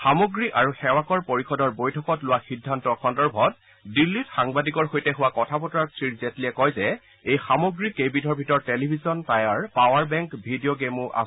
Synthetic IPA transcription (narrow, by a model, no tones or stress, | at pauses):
xamoɡɹiʔaɹuxɛwakɔɹpoɹixɔdɔɹbojtʰɔkɔtlʊwaxidʱːantɔxʰɔndɔɹbʱɔt̚ | dilːitxaŋbadikɔɹxojtɛɦʊwakɔtʰapɔtɔɹasʰɹiɹzɛtliɛkɔjzɛ | ejxamoɡɹikebitɔɹbʱitɔɹtelibʱizɔntajaɹpawaɹbɛŋkbʱidioɡemʊʔa̰